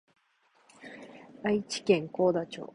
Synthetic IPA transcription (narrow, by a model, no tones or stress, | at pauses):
ait͡ɕi̥kẽ̞ŋko̞ːd̪at͡ɕo̰ː